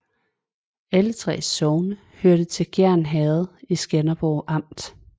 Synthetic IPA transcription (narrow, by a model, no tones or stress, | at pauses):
ælət͡sʰʁɛ̰ːsɒʊnə | høɐd̥ət͡sʰe̝lɡ̥æɐ̰nɦɛːð̩ˠisɡ̥ænɐb̥ɒʊʔɑ̈m̰d̥